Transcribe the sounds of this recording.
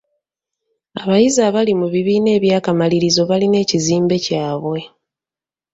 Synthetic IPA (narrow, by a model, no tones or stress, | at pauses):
aβajizaːβalimuβiβiːne̞ːβjaːkamaliɾizo̞βaline̞ːciziːmbe̞caːβwe̞